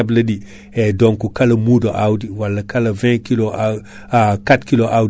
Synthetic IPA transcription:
ablɐdi | edoŋkukalɐmudoʔawdiwalːɐkɐlɐvɛ̃kilo | katkiloʔaw

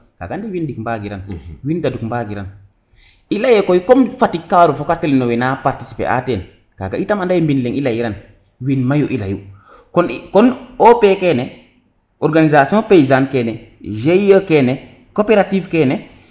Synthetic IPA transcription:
ka̰ɡandiwindikmbaɡiɾanwindadukmbaɡiɾan | ilajɛkojkɔmfatikːaɾufɔkatɛlnɔwɛnapaɾti̥si̥pḛʔa̰tɛn | ka̰ɡa̰itamandajmbinleŋilajiɾan | winmajuʔilaju | kɔnkɔnopekɛnɛ | ɔɾɡanizasiɔ̃peizankɛnɛ | ʒejɔkɛnɛ | kopɛɾativkɛnɛ

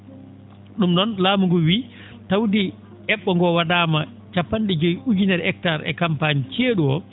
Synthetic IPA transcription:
ɗumɗɔnlaːmuŋɡɔwiː | tawdi | ʔɛɓːɔŋɡɔwadaːma | t͡ʃapːanɗɛd͡ʒɔjʔud͡ʒinɛɾɛk̚taɾɛ̰kampanit͡ʃeːɗuɔ

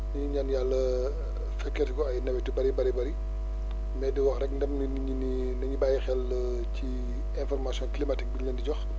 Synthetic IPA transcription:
niɲanjalːɐ | fɛkːɛtkɔɐjnɐwɛtibɐɾibɐɾibɐɾi | mɛːdiwɔxɾɛkndɐmn | ini | nɐɲibajixɛl | ci | ɛ̃nfɔrmasjɔ̃nklimatik̚biɲəndiɟɔx

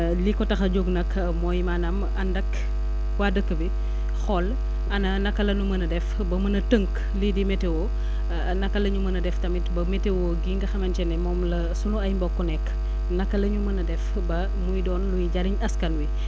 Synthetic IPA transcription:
likɔtɐxɐɟoɡnɐk | mɔːjimaːnam | ɐndɐk | waːdəkːəbi | xɔl | ɐnɐnɐkːɐlɐnumɐnɐdɛf | bɐmɐnɐtəŋk | lidimɛtewo | nɐkːɐlɐɲumɐnɐdɛftɐmitbɐmɛtːewoɡiŋɡɐxɐmɐnt͡ʃɛnɛmɔːmlɐ | sunuɐjmbɔkːɔnɛkː | nɐkːɐlɐɲumɐnɐdɛf | bɐ | mujdɔːnlujiɟaɾiɲɐskɐnwi

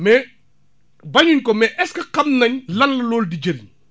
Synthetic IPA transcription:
mɛ | bɐɲunkɔmɛʔɛskɐkɐmnɐɲlɐlːɐlɔːldid͡ʒɐɾiɲ

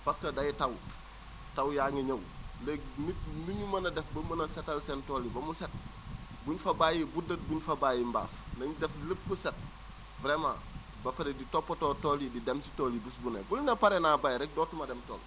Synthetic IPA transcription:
paskɐdɐjitɐw | tawjaːŋeɲɐwlek̚mitnuɲumɐnɐdɛfbɐmɐnɐsetɐlsentoːlibɐmuset̚buɲfɐbaːjibudɐt̚buɲfɐbajimba̰ːf | nɐɲudɛfləpːəset̚ | vɾema̰ | bɐpeɾeditopːotoːtolididemsi̥tolibusbunḛbulinɐpaɾenabajɾɛk̚doːtumɐdemto̰ːl

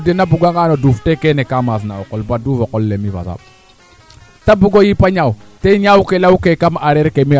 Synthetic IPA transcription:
denabuɡʷaŋanoduftekenekamas̬nawokɔlbadufakollemiva̰sa̰ | tabuɡojipaɲawteɲawkelawkekamaɾeɾkemi

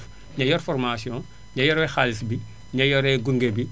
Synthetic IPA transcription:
ɲɐjɔrfɔrmasiɔ̃n | ɲɐjɔɾɛxalisbi | ɲɐjɔɾɛɡuŋɡebi

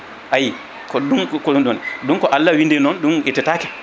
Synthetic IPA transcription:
ʔaji | kɔɗumkɔɗɔnɗumkɔʔalːawindɛnɔnɗumʔɛtɛtakɛ̥

